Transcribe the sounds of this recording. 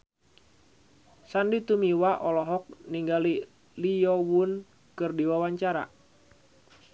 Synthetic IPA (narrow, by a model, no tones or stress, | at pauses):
sandit̪umiwaʔɔlɔɦɔk̚niŋɡali | lijɔwun | kɨrdiwawaɲt͡ʃaɾa̰